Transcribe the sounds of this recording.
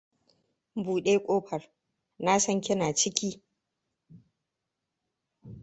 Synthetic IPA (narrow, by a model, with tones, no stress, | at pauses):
buː˨ɗeː˦kʷʼoː˦ɸɐ˨r | na˦sɐ˦ŋkʲɪ˦naː˨t͡ʃɪ˦kʲiː˦